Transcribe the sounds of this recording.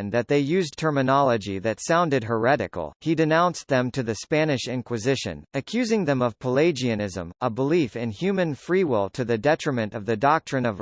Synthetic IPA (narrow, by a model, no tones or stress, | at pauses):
nðɨt̪̚ðeɪjʉztʰɜ˞mɨnɑlˠəd͡ʒiðɨtsãʊ̃ndɨd̚ɦə˞ɛɾɨ̰kl̩ˠidɨnãʊ̃nsðɨ̃mtʰɨðɨspænɨʃɪ̃nkwɨzɪʃɨ̰̃nɨkʰj̥ʉzɪ̃ŋðɨ̃mʌv̥pʰəleɪd͡ʒiɨnɪzə̰̃məbəlifɨ̃nhjʉmɨ̃nfɹiwɪlˠtʰɨðɨdɛt͡ʃɹ̥ɨmɨ̃ntʌvðɨdɑk̚tɹ̥ɨ̃nʌv